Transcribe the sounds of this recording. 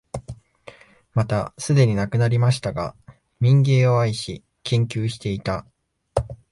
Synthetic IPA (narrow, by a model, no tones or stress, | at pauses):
mat̪asɨd̪e̞ɲ̟inakɯ̟naɾʲimaɕi̥t̪aɡa̰ | mʲĩŋɡe̞ːo̞aiɕi | kẽ̞ŋkʲɨːɕi̥t̪e̞it̪a